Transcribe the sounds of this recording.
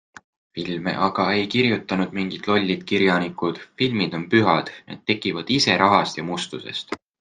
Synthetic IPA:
filmḛʔɑɡ̥ɑe̞jkiɾjut̪ːˑɑnud̪̥miŋɡ̥it̪lo̞lʲːid̪̥kiɾjɑnikud̪̥filmid̪̥o̞npyɦɑd̪̥nḛd̪̥ːe̞kːˑivɑd̪̥ise̞ɾʔɑɦɑst̪jɑmust̪use̞̰st̪

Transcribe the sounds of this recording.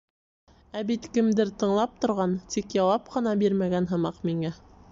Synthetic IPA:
æbit̪kɘ̆md̪ɘɾt̪ɤ̆ɴlˠɑp̚t̪ŏɾʁɑnt̪ikjɑwɑp̚qɤ̆nɑbiɾmæɡænɦɤ̆mɑqmiŋæ

